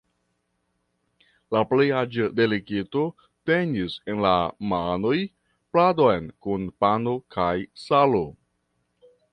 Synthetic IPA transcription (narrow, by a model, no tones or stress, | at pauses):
laplejad͡ʒede̞likito̞ | te̞nise̞nlamano̞j | plado̞jnkunpano̞kʰajsalo